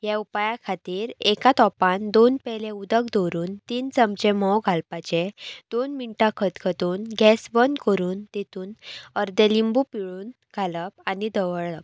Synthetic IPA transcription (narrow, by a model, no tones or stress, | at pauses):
jɛ̃upajakʰat̪iːɾekat̪ɔpãnd̪onpɛlẽud̪əkd̪oɾuːnt̪iːnt͡səmt͡ɕemɔwɡʱalpat͡ɕed̪̥onmiɳʈakʰət̪kʰət̪uːnɡɛsʋənkəɾuːnt̪et̪uːnəɾd̪ẽlimbupiɭuːn | ɡ̥ʱaləp̚anid̪əʋəɭɭəp